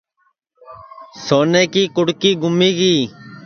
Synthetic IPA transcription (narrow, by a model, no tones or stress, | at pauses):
soːnɛːkiːkʊɽkiːɡʊmiːɡiː